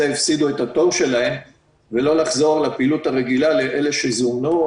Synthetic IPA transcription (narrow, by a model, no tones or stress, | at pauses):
eifsid̪uethato̞vʃe̞lahe̞m | velo̞laχzo̞ʁlapiːluthaʁeɡilale̞ʔe̞le̞ʃezumnu